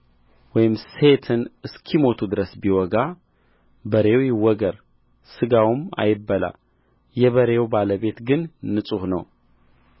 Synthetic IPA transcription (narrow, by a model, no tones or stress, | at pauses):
wɔjɪmse̞t̪ʰɨnɨskʰimo̞t̪ʰud̪ɨɾəsbiwɔɡa | bəɾe̞wjɪwɔɡəɾ | sɨɡawma̰jɪbːəla̰ | jɛβəɾe̞wbaləβe̞t̪ɡɨnːɨsʼuhnəw